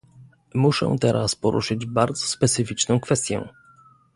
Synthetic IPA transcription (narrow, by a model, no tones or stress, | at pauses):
muʂɛ̰̃t̪ɛɾʔaspɔɾʔṵʂɘd͡ʑbaɾd̪zɔ̥spɛt̪sɘfʲit͡ʂnɔ̃w̃kfɛst̪ʲjɛ̰̃